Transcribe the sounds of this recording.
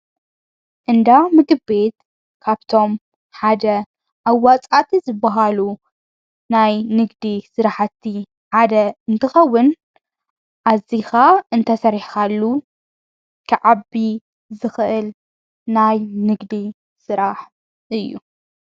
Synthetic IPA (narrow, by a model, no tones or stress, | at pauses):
ʔɨnd̪amɨɡɨbe̞t̪ | kʰaβt̪ʰo̞m | ħad̪ɐ | ʔawːat͡sʼat̪ʰizɨbːɐɦalu | najnɨɡd̪isɨɾaħat̪ʰːi | ħad̪ɐɨnt̪ʰɨxɐwːʊn | ʔazixaɨnt̪ʰɐsɐɾħkalːu | kʰɨʕabi | zɨxɨʔɨl | najnɨɡd̪i | sɨɾaħ | ʔɨjːṵ